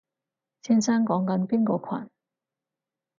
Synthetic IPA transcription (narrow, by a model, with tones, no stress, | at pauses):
t͡sʰiː˥nsaː˥ŋkɔː˨˥ŋkɐ˨˥npiː˥nkɔː˧kʷʰa̰˨˩n